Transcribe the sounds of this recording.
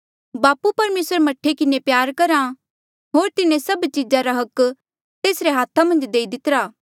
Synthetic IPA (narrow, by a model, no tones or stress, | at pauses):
baːpupɐɾmeːsəɾemɐʈʰːekɪnepjaːɾkɐɾã | ɦoːɾt̪ɪnẽsɐbt͡ʃɪd͡ʒaɾaɦɐk | t̪eːsɾeɦaːt̪ʰamɐ̃nd͡ʒd̪eːid̪ɪt̪əɾaː